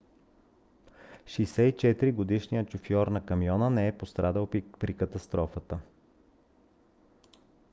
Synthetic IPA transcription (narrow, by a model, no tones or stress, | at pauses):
ʃɛjsɛit͡ʃɛt̪iɾiɡod̪iʃnijət͡ʃʊfjɔɾnɐkɐmijɔnənɛɛpost̪ɾʔad̪əlˠpɾikət̪ɐst̪ɾɔfət̪ə